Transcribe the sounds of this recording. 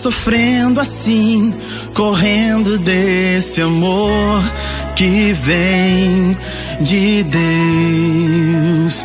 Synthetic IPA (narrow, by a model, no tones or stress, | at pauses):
sofɾẽd̪ʊasĩ | koɦẽnd̪ʊd̪esɪamoɾ | kɪvẽj̃ | d͡ʒɪd̪e | s